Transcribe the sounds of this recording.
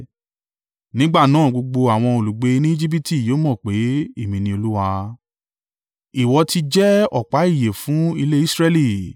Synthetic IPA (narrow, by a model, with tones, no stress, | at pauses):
nĩ˦ɡ͡ba˦˨nãː˨˦˨ɡ͡bo˧ɡ͡bo˧a˨w̃ɔ̃˧o˨lu˨ɡ͡be˧nĩ˦i˦d͡ʒi˦p̬i˦ti˦˨joː˨˦mɔ̃˦˨k͡pe˨˦e˦˨mĩ˨nĩ˧o˧lu˦wa˧ | i˨wɔ˧ti˧d͡ʒɛ˦ɔ̰˦˨k͡pa˨˦i˦˨je˨fũ˨˦i˧le˦i˦sɾe˧li˦˨